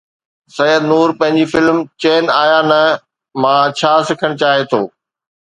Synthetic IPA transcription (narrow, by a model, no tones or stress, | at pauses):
sɐjəd̪nuːɾpɐ̃ɦɪ̃ɲd͡ʑifɪlmt͡ɕeːnaːjanɐ | mãːt͡ɕʰaːsɪkʰəɽ̃t͡ɕaːɦet̪ʰo̰ː